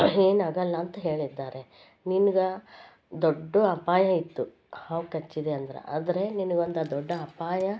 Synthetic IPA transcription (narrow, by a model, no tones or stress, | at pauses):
e̞ːnaːɡɐlːɐːnt̪ɐɦe̞ːɭid̪ːaːɾe̞ | ninuɡɐ | d̪oɖːuɐpaːjɐit̪ːu | haːʋkɐt͡ʃːid̪eɐnd̪ɐɾḛa̰ːd̪ɐɾe̞ninuɡond̪ɐd̪ɔɖːɐɐpaːjɐ